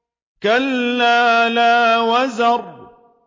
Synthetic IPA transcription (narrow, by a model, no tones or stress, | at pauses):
kalːaːlaːwazɑɾˤ